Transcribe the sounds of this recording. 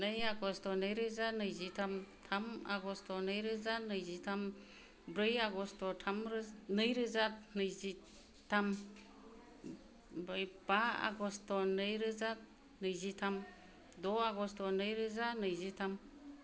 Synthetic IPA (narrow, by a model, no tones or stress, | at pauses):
nɯjaɡɔstɔnɯjɾɯzanɯjzitʰamtʰama̰ɡɔstɔnɯjɾɯzanɯjzitʰam | bɾɯjaɡɔstɔtʰamɾnɯjɾɯzat̚nɯjzi | tʰam | bajbaa̰ɡɔstɔnɯjɾɯzat̚ | nɯjzitʰam | dɔaɡɔstɔnɯjɾɯzanɯjzitʰam